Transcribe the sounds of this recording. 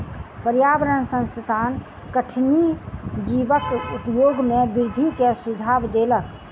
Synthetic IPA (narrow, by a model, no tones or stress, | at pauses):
pəɾjabɾənsə̃nst̪ʰaːn | kəʈʰnid͡ʒibəkupjoːɡmẽbɪɾd̪ʱikesud͡ʒʱabd̪elək